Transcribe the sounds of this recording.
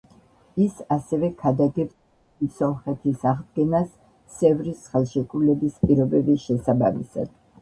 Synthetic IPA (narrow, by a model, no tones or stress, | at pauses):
isasɛvɛkʰad̪aɡɛbt | isɔmχɛt̪ʰisaʁd̪ɡɛnas | sɛvɾisχɛlˠʃɛkʼulɛbispʼiɾɔbɛbisʃɛsaba̰mḭsa̰d̪̥